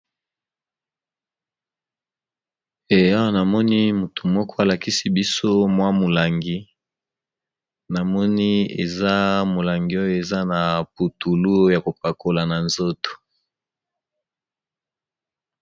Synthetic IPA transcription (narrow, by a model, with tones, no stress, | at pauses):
e˨a˦wa˦na˨mɔ˦ni˦mu˨tu̥˨mɔ˦kʰɔ˦a˨la˨ki˦si˦bi˦so˦mwa˦mo˨la˨ŋɡi˦ | na˨mɔ˦ni˦ḛ˨za˦mo˨la˨ŋɡi˨o˦jo˦˨e˨za˦na˨pu˨tu˨lu˦ja˨ko˨pa˨ko˨la˨na˨nzo˦to̥˨